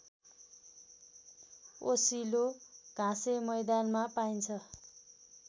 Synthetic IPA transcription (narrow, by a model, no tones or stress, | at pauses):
osiloɡ̥ʱãsemʌjd̪anmapaint͡sʰʌ